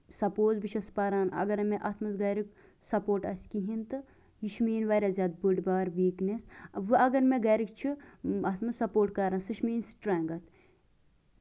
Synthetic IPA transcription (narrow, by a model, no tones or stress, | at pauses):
sɐpoːzbiʃʰɐspɐɾaːnɐ̰ɡɐɾmẽʔɐt̪ʰmɐzɡɐːɾik | sɐpoːʈɐsʲkiɦint̪ɨ | jiʃmiːnʋɐɾʲɐzʲaːt̪̚buɖbaːɾʋiːknesɐʋɨɐɡɐɾmẽɡɐːɾikt͡ʃʰiaːt̪ʰmɐssɐpoːʈkɐɾansɨʃmiːnsʈɾaːŋɡɐt̪